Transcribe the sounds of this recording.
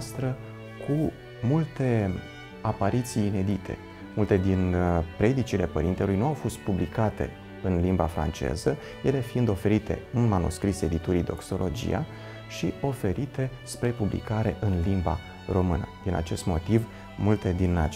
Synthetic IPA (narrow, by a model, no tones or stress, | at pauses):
st̪ɾə | kʰu | mult̪e̞ | apaɾit̪sijːne̞d̪it̪ʰe̞̰ | mult̪e̞d̪inpɾe̞d̪it͡ʃile̞pəɾint̪e̞lujnuawfo̞st̪̚publikat̪e̞̰ | ɨnlimbafɾa̰nt͡ʃe̞̰zə | je̞le̞fiind̪o̞fe̞ɾit̪e̞̰ɨnmanṵskɾise̞d̪it̪uɾid̪o̞̰kso̞lʔo̞d͡ʒḭja̰ | ʃio̞fe̞ɾit̪e̞spɾe̞publḭkaɾe̞ʔɨnlimba̰ | ro̞mɨnə̰d̪̥ina̰t͡ʃe̞st̪mo̞t̪iv | mult̪e̞d̪ina